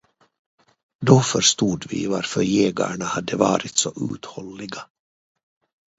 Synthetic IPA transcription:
d̪ofœɾʂt̪uːd̪vɪ̰ːvaɾfœɾjeːɡa̰ɳahad̪ːəvɑːɾɪt̪sɔʔʉ̰ːt̪hɔlːɪɡa

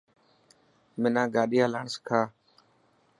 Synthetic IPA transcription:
mɪnãːɡaːɗɪjaːlaːɳskʰaː

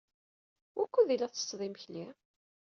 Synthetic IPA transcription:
wʔækʷːuðilæθə̥sðˤimçli

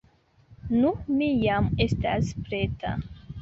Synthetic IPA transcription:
numijame̞staspɾetʰa̰

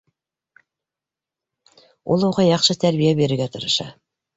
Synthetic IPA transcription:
ulˠuʁɑjɑqʃɤt̪æɾβijæβeɾɘ̆ɾɡæt̪ɤ̆ɾɤ̆ʃɑ̰

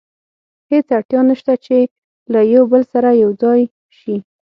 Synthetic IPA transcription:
het͡saɽt̪jɑnəʃt̪at͡ʃe | lajawbəlsaɾajawd͡zɑj | ʃi

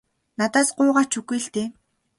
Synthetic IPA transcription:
nat̪aːsɢʊːʁaːt͡ɕʰuɣujɬt̪eː

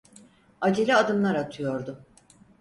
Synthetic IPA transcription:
ad͡ʒelʲiad̪ɯmlˠaɾat̪ʰɯjo̞ɾd̪ʊ

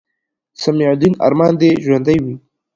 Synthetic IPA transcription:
samiʕd̪ina̰ɾmɑːnd̪eʒwand̪ajwi

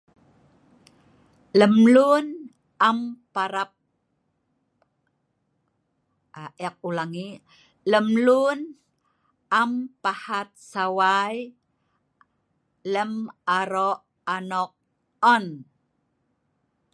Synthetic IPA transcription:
ləmlun | ʔampaɾap̚ | ʔɛk̚ulaŋi | ləmlun | ampahat̪̚sawaj | ləmaɾɔʔ | anɔk̚ | ɔn

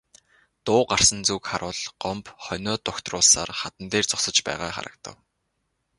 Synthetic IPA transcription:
t̪ʊːɢar̥sə̆nt͡sukχaɾʊːɮɢɔmpχœnʲɔːt̪ʊkt̪rʊːɮsa̰ːrχat̪ə̆nt̪eːrt͡sʊ̥sə̆t͡ɕpæ̰ːʁaːχa̰ɾə̰̆k̚t̪ə̰̆w

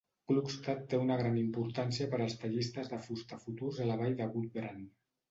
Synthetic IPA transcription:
klupst̪at̪ːeunəɣɾanimpuɾt̪ansiəpəɾəlˠst̪əʎist̪əzðəfust̪əfut̪urzələβajðəɣut̪̚bɾan

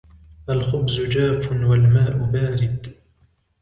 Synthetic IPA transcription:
ʔalxʊbzʊd͡ʒaːfʊnwalmaːʔʊbaːɾɪd̪

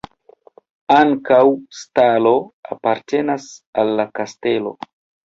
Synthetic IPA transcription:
aŋkawstalo̞apaɾte̞nasalːakaste̞lo̞̰

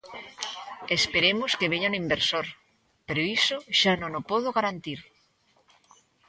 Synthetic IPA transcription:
espeɾemʊskeβ̞eɲanimbeɾsoɾ | peɾoisʊʃanõŋopoð̞oɣaɾant̪iɾ

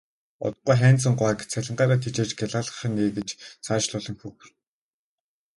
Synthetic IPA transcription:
ɔ̰t̪ə̥̆q̚ːujχæːnt͡s̬ə̆ɴɢʷaːkt͡sʰæɮʲɪ̆ɴɢaːɾaːt̪ʰit͡ɕeːt͡ɕɡæɮaːɮə̥̆χ̆neːɡet͡ɕt͡sʰaːt͡ɕɮʊɮɞ̆ŋxux̆r

